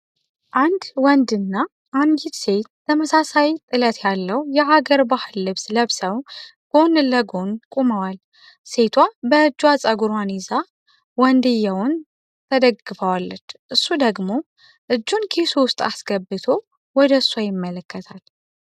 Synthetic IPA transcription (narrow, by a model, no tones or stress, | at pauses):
ʔand̪wɔnd̪ɨnːa | ʔand͡ʒit̪se̞t̪̚ːʰəməsasawjt̪ʼɨlət̪ʰjalːəwjɛʔaɡəɾbahɨlːɨβsləβsəwɡ̥o̞nɨləɡonkʼuməwal | se̞t̪ʰwabəɨd͡ʒːwat͡sʼəɡuɾwaniza | wɔnd̪ɨjːawʊn | t̪ʰəd̪əɡɨfəwalːət͡ʃːʔɨsːud̪əɡmo̞ | ʔɨd͡ʒːunkʰesuwʊst̪ʼasɡəbːɨt̪ʰo | wɔd̪əsajɪmːələkːət̪ʰal